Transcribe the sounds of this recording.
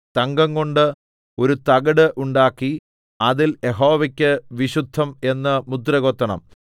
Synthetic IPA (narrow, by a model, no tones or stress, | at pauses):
t̪ɐŋɡɐŋɡo̞ɳɖɨ | o̞ɾut̪ɐɡɐɽɨʔuɳɖaːkːi | ɐðiljeɦo̞ːʋɐkʲːɨʋiɕud̪ʱːɐme̞nːɐmud̪rɐɣot̪ːɐɳɐ̰m